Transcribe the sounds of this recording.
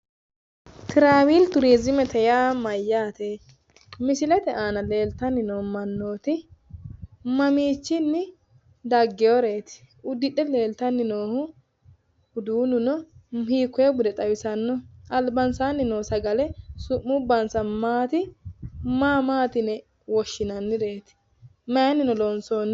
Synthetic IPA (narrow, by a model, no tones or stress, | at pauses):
t̪ʰɪɾaːwiːlt̪ʊɾiːzɪmɛt̪ɛjamɐjːaːt̪e | mɪsɪlɛt̪ɛʔaːnɐle̞ːlt̪ɐnːɪnoːmɐnːo̞ːt̪ɪ | mɐmiːt͡ʃːɪnːɪ | d̪ɐɡːɛjɔɾeːt̪ɪ̥ | ʊd̪ɪᶑɛle̞ːlt̪ɐnːɪnoːhʊ | ʊd̪uːnʊnɔhiːkːʊebʊd̪ɛt̪ʼɐwɪsɐnːɔɐlbɐnsaːnːɪnoːsɐɡɐlɛsʊʔːʊbːɐnsɐmaːt̪ɪ | maːmaːt̪ɪnɛ | wɔʃːɪnɐnːɪɾe̞ːt̪ɪ̥ | mɐjɐnːɪnɔlɔnsoːn